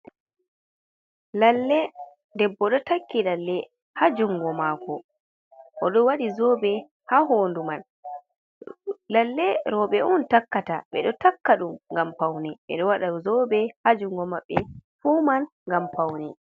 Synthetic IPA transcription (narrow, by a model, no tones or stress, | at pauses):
lalːɛ | dɛbːɔɗɔtakːilalːɛ | had͡ʒuŋɡɔmaːkɔ | ʔɔɗɔwaɗizɔbɛ | hahonduman | lalːɛɾɔɓɛʔuntakːataɓɛ̰ɗɔtakːaɗumŋɡampawnɛɓɛ̰ɗɔwaɗaɾuzɔbɛhad͡ʒuŋɡɔmaɓːɛfuːman | ŋɡampawnɛ